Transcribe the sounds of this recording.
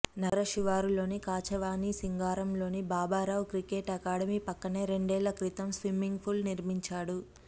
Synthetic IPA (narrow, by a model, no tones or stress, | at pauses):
nɐɾɐʃiʋaːɾulo̞ːnikaːt͡ʃɐʋaːnisiŋɡaːɾɐmlo̞ːnibaːbaːɾɐʋkɾikeʈɐkaːɽɐmiːpɐkːɐneːɾe̞ɳɖɛːlːɐkɾit̪ɐmsʋimːiŋɡpʰulniɾmiɲt͡ʃaːɽu